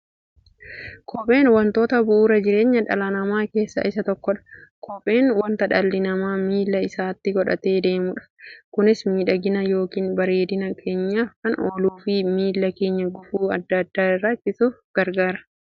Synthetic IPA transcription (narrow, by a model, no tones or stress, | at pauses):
kʰɔpʼe̞ːnwɐnt̪o̞ːt̪ɐbʊʔuːɾɐd͡ʒɪɾe̞ːɲːɐᶑɐ̰lanɐmaːke̞ːsːɐ̰ʔɪsɐt̪ɔkːɔᶑɐ̥kʰɔpʼe̞ːnwɐnt̪ɐᶑɐlːɪnɐmaːmiːlːɐɪsaːt̪ːɪɡɔᶑɐ̰t̪e̞ːd̪e̞ːmʊᶑɐ̥kʊnɪsmiːᶑɐɡɪnɐjo̞ːkiːnbɐɾe̞ːd̪ɪnɐkʰe̞ːɲːaːfkɐnoːluːfɪmiːlːɐke̞ːɲːɐɡʊfuːɐd̪ːɐd̪ːaːɪrat͡ʃːɪsuːfɡ̥ɐɾɡaːɾɐ̥